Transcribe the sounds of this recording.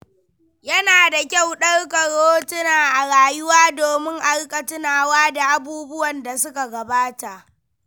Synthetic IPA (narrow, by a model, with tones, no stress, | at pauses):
jɐ˦naː˨da˨kʲa˦˨wɗɐ˦rkɐ˨ɽoː˦tʊ˦naː˨ʔa˨ɽaː˨jʊ˦waː˦doː˨mɪ˦ŋʔa˦ɽkʼɐ˨tʊ˦naː˨waː˦da˨ʔa˨buː˦bʊ˦wɐ˨nda˨sʊ˦ka˨ɡɐ˨baː˦ta˨ʔ